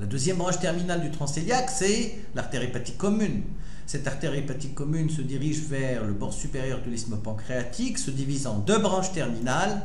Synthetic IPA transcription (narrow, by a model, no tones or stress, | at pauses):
lad̪øzjɛmbʁɑ̃ʃt̪ɛʁminald̪yt̪χɑ̃seljaksɛ | laʁt̪eʁepat̪ikːɔmyn | sɛt̪aʁt̪ɛʁepat̪ikːɔmynsəd̪iʁiʒvɛʁləbɔʁsypeʁjœʁd̪əlismɔpɑ̃kχeat̪iksəd̪ivizɑ̃d̪øbʁɑ̃ʃt̪ɛʁminal